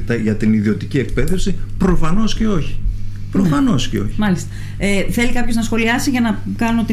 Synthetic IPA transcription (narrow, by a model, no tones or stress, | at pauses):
t̪ɐʝɐt̪iniðio̞t̪icie̞k̚pe̞ðefsipɾo̞fɐno̞sceo̞çi̥ | pɾofɐno̞sceo̞̰çi̥mɐlist̪ɐ | eθe̞likɐpço̞znɐsxo̞liɐsiʝɐnɐ | kɐnot̪i